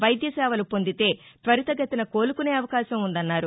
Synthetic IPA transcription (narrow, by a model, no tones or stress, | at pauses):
ʋɐjd̪jɐsɛːʋɐlupo̞nd̪it̪e̞ːt̪ʋɐɾit̪ɐɡɐt̪inɐko̞ːlukune̞ːɐʋɐkaːʃɐmund̪ɐnːaːɾu